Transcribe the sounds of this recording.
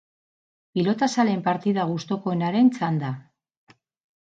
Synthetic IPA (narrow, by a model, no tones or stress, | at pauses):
pilo̞t̪asale̞mpaɾt̪iðaɣust̪o̞ko̞enaɾe̞nt͡sand̪a